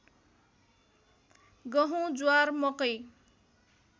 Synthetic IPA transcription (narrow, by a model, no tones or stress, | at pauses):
ɡʌɦũd͡zuarmʌkʌj